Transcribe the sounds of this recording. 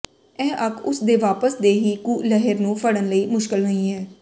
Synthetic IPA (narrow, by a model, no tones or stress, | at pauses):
ɛ̃ːʔəkʰʊsd̪eːʋaːpəsd̪eːɦiːkuːlɛɦəɾnũːpʰəɽənləiːmʊʃkɪlɦoĩːɦɛː